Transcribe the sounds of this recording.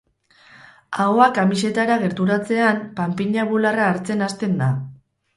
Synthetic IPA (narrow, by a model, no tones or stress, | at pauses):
aoakamise̞t̪aɾaɣe̞ɾt̪uɾat͡se̞ampampiɲaβularaːɾt͡se̞nast̪e̞nd̪a